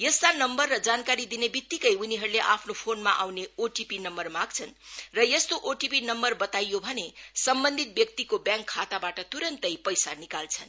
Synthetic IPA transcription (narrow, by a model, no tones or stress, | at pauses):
jʌst̪anʌmbʌrːʌd͡zankaɾid̪inebit̪ːikʌjuniɦʌɾuleʔapʰnopʰonmaʔawneoʈipinʌmbʌrmaɡ̚t͡sʰʌnrʌjʌst̪oʔoʈipinʌmbʌrbʌt̪ajobʱʌnesʌmbʌnd̪ʱit̪̚bjʌk̚t̪ikobjãŋkʰːat̪abaʈʌt̪uɾʌnt̪ʌjpʌjsanikalt͡sʰʌn